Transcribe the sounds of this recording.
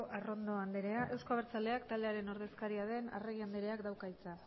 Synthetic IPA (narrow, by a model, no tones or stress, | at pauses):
ʔaro̞nd̪o̞and̪eɾe̞aʔe̞wsko̞aβeɾt͡sald̪e̞akt̪ald̪e̞aɾe̞no̞ɾðe̞skaɾiaðe̞na̰reɣiand̪eɾe̞akd̪awkajt͡sa